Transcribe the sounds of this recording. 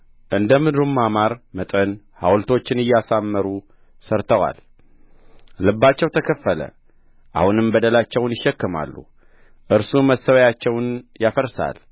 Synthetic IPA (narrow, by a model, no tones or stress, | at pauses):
ʔɨnd̪əmɨd̪ɾumːamaɾmət̪ʼən | hawlt̪ʰo̞t͡ʃːɪnɨjːasamːəɾu | səɾt̪ʰəwa̰l | lɨbːat͡ʃːɛwt̪ʰəkʰəfːələ̰ | ʔa̰hunɨmbəd̪əlat͡ʃːɛwnjɪʃːɛkːɨma̰lːṵ | ʔɨɾsuməsːəwjat͡ʃːɛwnjafəɾsa̰l